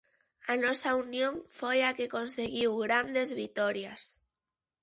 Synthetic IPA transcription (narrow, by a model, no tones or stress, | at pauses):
anosaunjõŋfojake̞ko̞nseɣiwɣɾand̪e̞zβit̪oɾjas